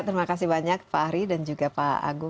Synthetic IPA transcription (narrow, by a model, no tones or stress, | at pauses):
t̪əɾimakas̬ibaɲak̚paːɾidand͡ʒuɡapaa̰ɡu